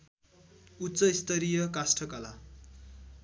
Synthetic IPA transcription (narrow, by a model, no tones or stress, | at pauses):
utːsʌist̪ʌɾijʌkasʈʰʌkala